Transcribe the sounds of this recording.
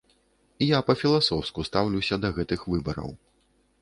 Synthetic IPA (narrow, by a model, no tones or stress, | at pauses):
ijapɐfʲilˠasɔwskust̪awlʲuwsʲɐd̪ɐɣɛt̪ɨxvɨbɐɾɐ̰w